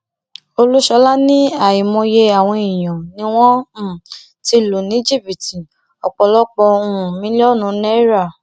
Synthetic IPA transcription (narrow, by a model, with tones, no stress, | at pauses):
o˧lu˦ʃɔ˧la˦nĩ˦a˦˨i˨mɔ̃˧je˧a˨w̃ɔ̃˧i˨j̃ã˨nĩ˧˦w̃ɔ̃˦˨ | ti˧lo˨nĩ˨˦d͡ʒi˦˨bi˨ti˨ | ɔ˨k͡pɔ˧lɔ˦k͡pɔ˧ũ˧˨mĩ˨˦lɔ˦˨nũ˨˦nɛ˦ɾa˦˨